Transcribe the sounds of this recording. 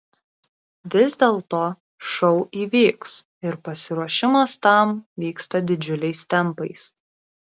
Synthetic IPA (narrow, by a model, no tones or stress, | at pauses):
ʋʲɪzd̪ʲeːlˠt̪oː | ʃɒʊʔiːʋʲiːks | ɪɾpɐsʲɪɾuɔʃʲɪmɐst̪ɐˑmʋʲiːkst̪ɐd̪ʲɪd͡ʒʲʊlʲɛɪst̪ʲɛmpɐɪs